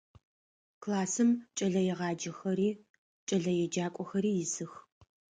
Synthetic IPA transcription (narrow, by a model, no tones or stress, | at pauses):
klaːsɨmt͡ʃʼɐɮɐjɛʁɑːd͡ʒɐxɐɾiː | t͡ʃʼɐɮɐjɛd͡ʒaːkʷʼɔxɐɾiːjɪzɨx